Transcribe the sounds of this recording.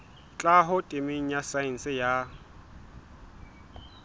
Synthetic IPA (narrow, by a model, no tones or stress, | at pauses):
t͡ɬʼaɦʊtʼemeŋ̩jasaɪn̩sɪja